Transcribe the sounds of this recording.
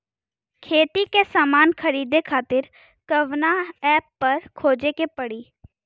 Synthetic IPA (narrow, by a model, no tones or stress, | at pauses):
kʰeːt̪ikesaːmaːnxɐɾiːd̪ekʰaːt̪ɪɾ | kɐʋnaɛːpːɐɾkʰoːd͡ʒekepɐɽiː